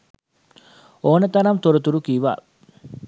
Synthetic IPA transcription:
oːnɐt̪ɐɾɐmt̪oɾut̪uɾukiːʋa̰ː

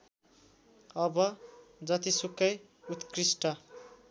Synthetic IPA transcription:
ʌbʌd͡zʌt̪isukːʌj | ut̪krisʈʌ

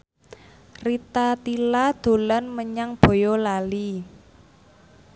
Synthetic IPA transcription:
rit̪at̪ilad̪̥o̤lanməɲaŋb̥o̤jɔlali

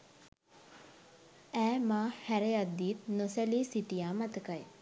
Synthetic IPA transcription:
æːmaːhæɾejad̪ːiːt̪nosæliːsiʈijaːmat̪əkaj

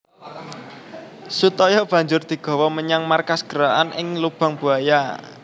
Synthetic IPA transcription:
sut̪ɔjɔb̥ä̤ɲd͡ʒʊrd̪̥i̤ɡ̥ɔ̤wɔməɲaŋmarkasɡ̥əɾaʔanʔɪŋlub̥a̤ŋb̥ṳaja

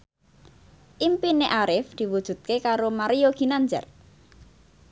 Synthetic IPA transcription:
ʔimpineʔaɾɪfd̪̥i̤wud̥ʒ̥ṳd̪̚kekaɾomaɾijoɡ̥i̤naɲd͡ʒɛ̰r

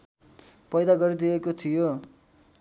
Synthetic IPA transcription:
pʌjd̪aɡʌɾid̪iekot̪ʰijo

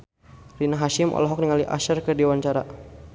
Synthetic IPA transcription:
rinaɦaʃɪmʔɔ̰lɔɦɔk̚niŋaliʔa̰ʃərkərdiwaɲt͡ʃaɾa

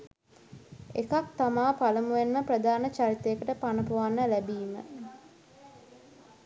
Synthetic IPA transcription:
ekak̚t̪amaːpaləmuʋenməprəd̪aːnət͡ʃaɾit̪əekəʈəpanəpuʋanːəlæbiːmə̰

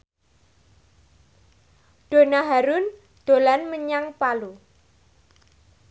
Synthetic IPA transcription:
ɖ̪̥o̤naɦaɾun | d̪̥o̤lanməɲaŋpalu

